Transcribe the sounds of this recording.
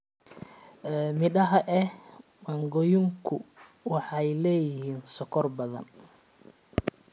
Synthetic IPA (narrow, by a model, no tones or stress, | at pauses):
ʔɛmɪɗɐɦɐʔɛmɐŋɡɔjʊŋkʰʊwɑħɑjlɛːjɪhiːnsɔkʰɔrbɐðɐ̰n